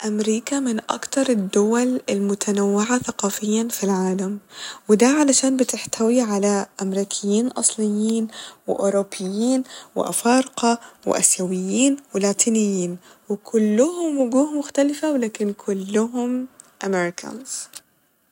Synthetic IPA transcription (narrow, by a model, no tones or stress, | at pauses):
ʔamɾiːkamɪnʔa̰kt̪ɑɾˤɪd̪ːʊwalɪlmʊt̪ʰanawːɪʕaθaqɑːfɪjːanfilʕaːlamwɪd̪aʕalaʃaːnbɪt̪ɪħt̪ʰawiʕalaʔamɾiːkʰɪjːiːnʔɑ̰sˤlɪjːiːnwɪ̰ʔoːɾobːɪjːiːnwɪ̰ʔa̰fɑːɾqɑwɪ̰ʔa̰sjawɪjːiːnwɪlaːt̪ʰiːnɪjːiːnwɪkʰʊlːʊhʊmwʊɡuːhmʊxt̪alɪfawlaːkɪnkʰʊlːʊɦʊm | ʔamɪɾɪkʰa̰nz̥